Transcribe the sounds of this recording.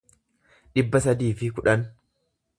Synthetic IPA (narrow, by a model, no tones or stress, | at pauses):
ᶑɪbːɐsɐd̪iːfɪkʊᶑɐn